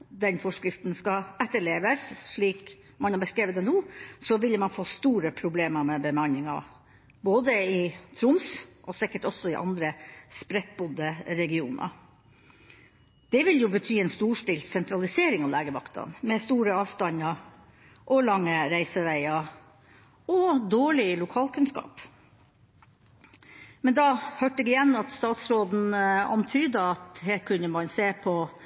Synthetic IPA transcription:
d̪ɛnfɔʂkɾɪft̪nskɑɛt̪ːəɭeːʋəsʂɭiːk | mɑnhɑɾbəskɾeːʋət̪ɛnuːsɔʋɪləmɑnfoːst̪uːɾəpʰɾʊbleːməmɛbəmɑnɪŋɑ̰ | boːd̪əɪt̪ʰɾʊmsʔɔsɪkːəʈɔsːɔɪʔɑ̰nd̪ɾəspɾɛt̪̚bʊd̪əɾɛɡɪuːnʔɑ̰ | d̪̥ɛʋɪljʊbət̪ʰyːɛnst̪uːʂʈiːlsɛnt̪ʰɾɑlɪseːɾɪŋɑʋlæːɡəʋɑkt̪ʰɑ̰nmɛst̪uːɾəɑːʋst̪ɑɲɑ | ʔɔlɑŋːəɾæɪsəʋæɪɑ | ɔd̪oːɭɪlʊkʰɑːlkʉnskɑ̰ːp | mɛnd̪ɑhøʈəɡɪjɛnːɑt̪st̪ɑːt̪sɾoːd̪n̩ɑ̰nt̪ʰyːd̪əɑt̪hɛkʰʉnːəmɑnseːpʰɔ

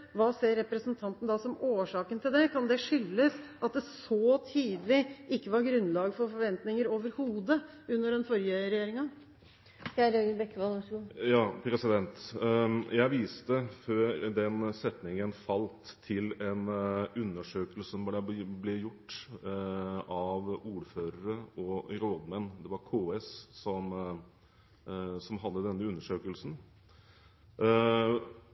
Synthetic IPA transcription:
ʋɑːseːɾːɛpɾəsənt̪ʰɑnt̪n̩d̪ɑsɔmoːʂɑːkənt̪ʰɪld̪ɛkʰɑnd̪ɛʂʏlːəsʔɑt̪̚d̪ɛsɔt̪ʰiːd̪əlɪʔɪkːəʋɑɾɡɾʉnːlɑːɡfɔɾfɔɾʋɛnt̪nɪŋəɾoːʋəɾhuːd̪ə | ʉnːəɖɛnfɔɾjəɾɛjeːɾɪŋɑ | çæɾøɡəbɛkːʋɑlʋʂɡujɑːpʰɾɛsɪd̪ɛnt̪ | jæɪʋiːst̪əføːɾd̪ɛnsɛt̪nɪŋənfɑlt̪ʰːɪlɛnʉnːəʂøːkəlsənʋɑæblɛjʊʈː | ʔɑʋuːɾføːɾəɾəɔɾoːd̪mɛnːd̪ɛʋɑɾkʰoːɛssɔm | sɔmɦɑd̪ːəd̪ɛnːəʉnːəʂøːkəlsn̩

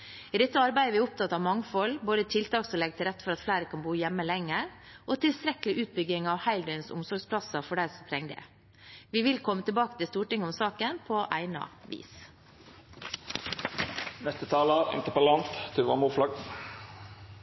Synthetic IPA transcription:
ɪd̪ɛt̪ːəɑɾbæɪd̪əʋɪʊp̚t̪ʰɑt̪ːɑʋmɑŋfɔlboːd̪ət̪ʰɪlt̪ʰɑːkslɛɡ̚t̪ʰɪlɾɛt̪ːfɔɾɑt̪flæɪɾəkʰɑnbuːjɛmːəlɛŋːəɾʔoːt̪ʰɪlst̪ɾɛkəlɪʔʉːt̪̚bʏɡɪŋɑʋhæɪld̪ɛɪnsʊ̰msɔɾɡspʰlɑsəfɔɖæɪɾsɔmt̪ʰɾɛŋːd̪ɛ̰ | ʋɪʋɪlkʰɔmːət̪ʰɪlbɑːkə̥t̪ɪlst̪uːʈɪŋːəʊmsɑːkənpʰoːʔæɪnɑ̰ʋḭːs | nɛst̪ət̪ʰɑːləʁɛ̰ŋt̪əpɔlɑnt̪t̪ʰʉʋɑmuːflɑɡ

